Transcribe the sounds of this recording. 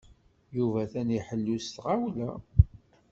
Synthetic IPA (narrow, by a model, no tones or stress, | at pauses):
juvæθæniħəlːust̪ʁawlæ